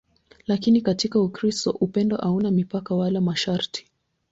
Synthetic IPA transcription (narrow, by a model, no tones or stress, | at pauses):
lakinikatikaukɾistɔʔupɛndɔʔaunamipakawalamaʃaɾti̥